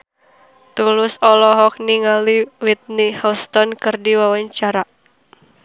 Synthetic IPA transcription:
t̪ulʊsɔlɔɦɔk̚niŋaliwit̪̚nihaust̪ɔnkɨrdiwawaɲt͡ʃaɾa

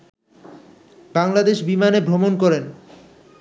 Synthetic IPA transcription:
baŋlad̪eʃbimanebʱɾomonkɔɾen

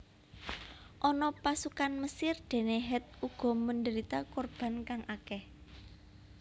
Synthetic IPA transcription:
ʔɔnɔpasukanməsɪrd̪̥e̤neɦɛt̪̚uɡ̥ɔ̤məndəɾit̪akɔrb̥a̤nkaŋʔakɛh

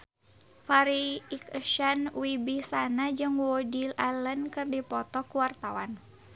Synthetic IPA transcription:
faɾiːkəʃanwibisanad͡ʒɨŋwodilalənkɨrdipɔt̪ɔkuwart̪awan

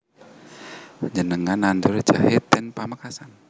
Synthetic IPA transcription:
ɲd͡ʒənəŋanandurd͡ʒaɦɪt̪̚ːɛnpamakasan

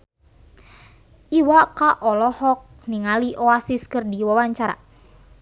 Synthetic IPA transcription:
ʔiwakaʔɔlɔhɔk̚niŋaliʔɔasiskərdiwawaɲt͡ʃaɾa̰

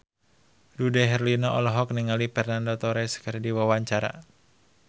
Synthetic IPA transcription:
dudɛɦɛrlinɔʔɔlɔɦɔk̚niŋalipɛrnandɔt̪ɔɾɛskərdiwawaɲt͡ʃaɾa̰

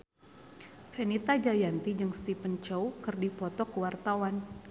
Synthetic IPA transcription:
fenit̪ad͡ʒajant̪id͡ʒɨŋst̪ipənt͡ʃɔwkɨrdipɔt̪ɔkəwart̪awan

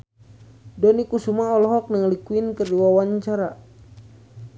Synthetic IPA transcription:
dɔnikusumaɔlɔɦɔk̚nəŋlikuinkərduawaɲt͡ʃaɾa

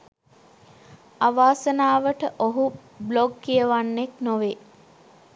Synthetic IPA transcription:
aʋaːsənaːʋəʈəʔoɦu | bloɡːijəʋanːeknoʋe

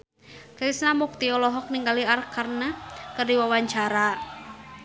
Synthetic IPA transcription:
kɾisnamuk̚t̪iɔlɔɦɔk̚niŋɡaliarkarnakərdiwawaɲt͡ʃaɾa

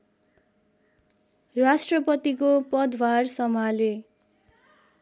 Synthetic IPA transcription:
rasʈrʌpʌt̪ikopʌd̪warsʌmale

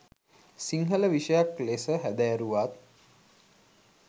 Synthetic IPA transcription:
siŋɦələʋiʃəjaklesəɦæd̪æɾuʋat̪̚

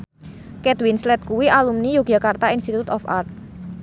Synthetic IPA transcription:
kɛt̪winslɛt̪̚kuwiʔalumnijuɡ̥akart̪ainst̪it̪ut̪ɔfa̰rt̪̚

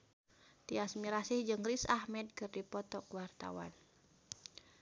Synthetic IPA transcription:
t̪iasmiɾasihd͡ʒɨŋrisahmɛd̪̚kɨrdipɔt̪ɔkwart̪a̰wa̰n

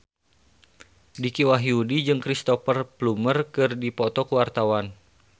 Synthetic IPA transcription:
dikiwaɦiudid͡ʒɨŋkɾist̪ɔfərplumərkɨrdipɔt̪ɔkuwart̪awan

